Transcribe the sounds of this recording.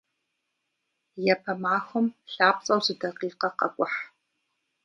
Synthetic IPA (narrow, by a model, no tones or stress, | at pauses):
jɛpʰɐmaːxʷʊmɬaːp̚t͡sʼɐwzɨdɐqiːqɐqɐ̰kʷʼʊħ